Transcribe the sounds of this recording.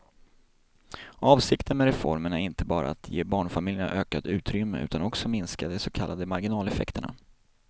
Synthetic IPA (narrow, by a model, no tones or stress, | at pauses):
ɑːvsɪkt̪ʰənmɛɾɛfɔ̰ɾməɳæɾɪnt̪əbɑ̰ːɾa̰at̪ʰjeːbɑːɳfamɪljəɳa̰ʔøːkad̪ʉ̟ːt̪ɾʏmːə̰ʉ̟ːt̪anɔksɔmɪnskad̪ɛsokʰalːad̪əmaɾɡɪnɑːlɛfɛ̰kt̪ʰəɳa̰